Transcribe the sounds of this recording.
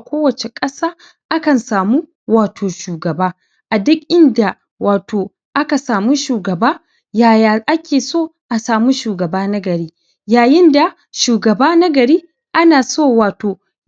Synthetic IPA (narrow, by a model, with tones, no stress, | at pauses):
kʷoː˦wɐ˨t͡ʃe˨kʼɐ˦saː˦ | ʔa˦kɐ˨nsaː˨mu˦ | waː˨tʰoː˨ʃuː˨ɡɐ˨baː˦ | ʔa˨dʊ˦kʔɪ˦nda˨ | waː˨tʰoː˨ | ʔa˦ka˨saː˨mu˦ʃuː˨ɡɐ˨baː˦ | jaː˨ja˨ʔa˦kʲeː˨soː˦ʔa˨saː˨mu˦ʃuː˨ɡɐ˨baː˦nɐ˦ɡɐ˨ɾiː˦ | jaː˨jɪ˦nda˨ | ʃuː˨ɡɐ˨baː˦nɐ˦ɡɐ˨ɾiː˦ | ʔa˦naː˨soː˦˨waː˨toː˨